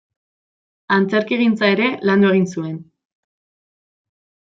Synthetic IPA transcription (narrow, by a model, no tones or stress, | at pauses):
ant͡se̞ɾkiɣ̞int͡sae̞ɾe̞land̪ue̞ɣ̞insue̞n